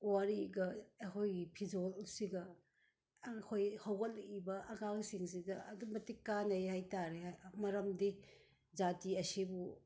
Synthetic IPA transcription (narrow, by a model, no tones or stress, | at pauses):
waɾiɡɐɐkʰojɡipʰid͡ʒolsiɡɐ | kʰojhɐwɡɐlibɐʔɐŋaŋsiŋsidɐɐdumbɐtːikanɐjɦajtaɾemɐɾɐmdi | zatiɐsibu